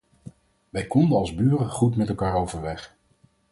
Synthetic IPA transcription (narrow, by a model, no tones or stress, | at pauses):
ʋɛjkɔndəɑlˠzbyːrəχutmɛtɛlˠkaːɹowvəɹʋɛχ